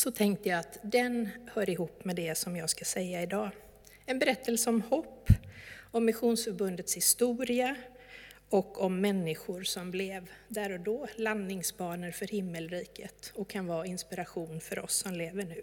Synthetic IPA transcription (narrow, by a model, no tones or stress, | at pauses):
sɔt̪ʰɛŋk̚t̪əjaat̪d̪ɛnhœːɾɪɦuːpːmɛd̪ɛsɔmjɑːɡskasɛjːaɪd̪ɑː | ɛnbɛɾɛt̪ːəlsəɔmhɔpːɔmːɪɧuːnsfœɾbɵnd̪ət̪shɪst̪uːɾɪa | ɔkːɔmːɛnːɪɧʊɾsɔmblɛvd̪æɾɔd̪ɔːlanːɪŋsbɑːɳəɾfœɾhɪmːəlɾiːkət̪ɔkʰːanvɑːɪnspɪɾaɧuːnfœɾʔɔ̰sːɔmleːvəɳʉ̟ː